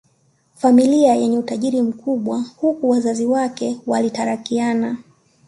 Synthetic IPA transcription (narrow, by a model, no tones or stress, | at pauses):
familiajɛɲɛutaʄiɾim̩kuɓwahukuwazaziwakɛwalitaɾakiana